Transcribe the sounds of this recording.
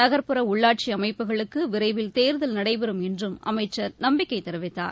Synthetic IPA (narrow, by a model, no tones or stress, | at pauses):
ɐɣɐɾpɯɾɐʊɭːaːʈ̚t͡ʃiɐmɐɪpːɯɣɐɭɯkːɯʋɪɾɐɪʋɪlt̪eːɾðɐlnɐɽɐɪpɛɾɯmɛndrɯmɐ̰mɐɪt͡ʃːɐɾnɐmbɪkːɐɪt̪ːɛɾɯʋɪt̪ːa̰ːɾ